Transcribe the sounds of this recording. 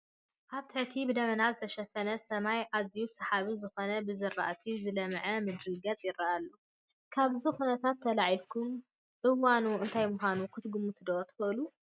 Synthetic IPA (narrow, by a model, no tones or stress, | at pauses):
ʔaβt̪ʰɨʕt̪ʰibɨd̪ɐmɐnazɨt̪ʰɐʃɐfɐnɐsɐmajʔazjusɐħaβizɨxo̞nɐbɨzɨrːa̰ʔt̪ʰizɨlɐmʕɐmɨd̪ɾɨɡɐt͡sʼjɪraʔalːo | kʰaβzuxunɐt̪ʰat̪ʰːɐlaʕikʰum | ʔɨwanuɨnt̪ʰajmʊxʷanukʰɨt̪ɡumut̪ʰɨd̪ot̪ʰɨ̥xɐʔɨlu